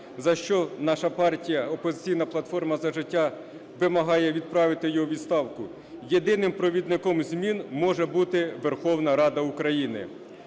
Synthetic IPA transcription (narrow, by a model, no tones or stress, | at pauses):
zɐʃt͡ʃɔnɑʃɐpɑrtʲijɐɔpɔzɪt͡sʲijnɐplˠɐt̪fɔrmɐzɐʒɪtʲːɑ | ʋɪmɐɦɑjɛʋʲid̪̚pɾɑʋɪt̪ɪjɔɦɔʋʲid̪st̪ɑwkʊ | jed̪ɪnɪmpɾɔʋʲid̪nɪkɔmzʲmʲinmɔʒɛbut̪ɪʋerxɔwnɐɾɑd̪ɐukɾɐjinɪ̰